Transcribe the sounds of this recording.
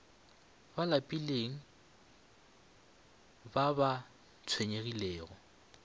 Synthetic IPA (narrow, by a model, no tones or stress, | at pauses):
balapʼileŋ̩ | baba | t͡sʰweɲeɣileːɣɔ